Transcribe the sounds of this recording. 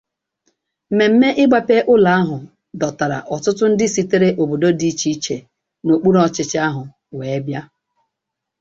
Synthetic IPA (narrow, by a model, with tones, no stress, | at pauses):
me˨m̩˦me˦ʔɪ˦ɡ͡ba˦pe˦ʔʊ˦la˨a˦ɦʊ˨ | dɔ˨ta˨ɾa̰˨ʔɔ˨tʊ˦tʊ˦n̩˦dɪ˦si˦te˦ɾe˦ʔo˨bo˨do˦di˦t͡ʃi˦t͡ʃe˨ | no˨k͡pu˦ɾɔ˨t͡ʃɪ˦t͡ʃɪ˦a˦ɦʊ˨ | weː˨e˦bja˦